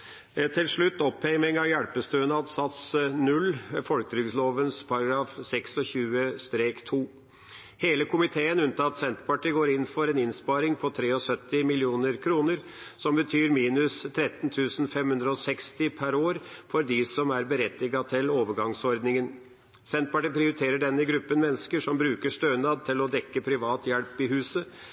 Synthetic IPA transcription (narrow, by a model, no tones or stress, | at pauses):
t̪ʰɪlʂɭʉt̪ːɔpʰːɛmɪŋɑʋjæɽpəst̪øːənəɑt̪sɑt̪snʉlːfɔlkət̪ʰɾʏɡsloːʋənspʰɑɾɑɡɾɑːfsɛksɔçʉːəst̪ɾeːkt̪ʰuː | heːləkʰʊmɪt̪ʰeːənʉnt̪ʰɑɑt̪sɛnt̪pɑʈiɡoːɾɪnːfɔɾɛːnɪnspɑːɾɪŋpʰɔt̪ʰɾeːɔsœt̪ːɪmɪlɪuːnəɾkʰɾuːnəɾ | sɔmbət̪ʰyːɾmiːnʉst̪ʰɾɛt̪nt̪ʰʉːsn̩fɛmhʉnd̪ɾəɔsɛkst̪ɪpʰæɾoːɾfɔɾd̪ɪsɔmæɾbəɾɛt̪ːɪɡɑt̪ʰɪloːʋəɾɡɑŋsɔɾd̪nɪŋən | sɛnt̪̚pɑʈiːpʰɾɪʊɾɪt̪ʰeːɾəɖɛnːəɡɾʉpːənmɛnːəskəʂɔmbɾʉːkəʂt̪øːnɑːd̪̚t̪ʰɪlɔd̪ɛkːəpʰɾɪʋɑːt̪jɛlpɪɦʉːsə